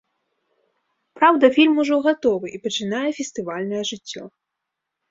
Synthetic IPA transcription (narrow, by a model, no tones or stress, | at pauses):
pɾawd̪ɐfʲilʲmuʐɔɣat̪ɔvɨʔipɐt͡ʂɨnajɛfʲɛst̪ɨvalʲnɐjɛʐɨt͡sʲːɔ